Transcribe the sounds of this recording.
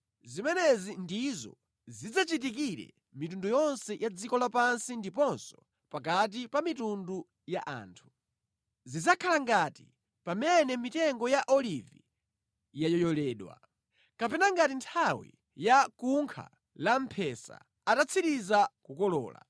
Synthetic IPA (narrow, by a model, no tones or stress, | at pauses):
zimɛnɛzindizɔ̰ | zid͡zat͡ʃit̬ikiɾɛ̰ | mitundujɔnsɛjʔad͡zikɔlapansindipɔnsɔ | pak̬at̬ipamitundu | jaʔa̰ːntʰu̥ | zizakʰalaŋɡatḭ | pamɛnɛmitɛŋɡɔjaʔɔlivi | jajɔjɔlɛːɗwa̰ | kapɛnaŋɡatintʰawḭ | jakuŋkʰa̰ | lam̩pʰɛsa̰ | atat͡sʰiɾizakukɔlɔ̰ːla̰